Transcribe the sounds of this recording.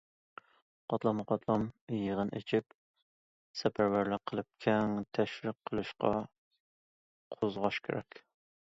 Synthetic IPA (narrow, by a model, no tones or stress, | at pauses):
qʰɑt̪lˠɑmɨqɑt̪ʰlˠɑmjəʁənʔḛt͡ʃʰip̚ | sɛpʰæɾwæɾlɪqʰːəlˠɨp̚kʲʰɛŋt̪ʰɛʃɾɨqʰːəlˠɨʃqɑ̰ | qʰozʁɑʃkʲʰḛɾɛ̰kʲ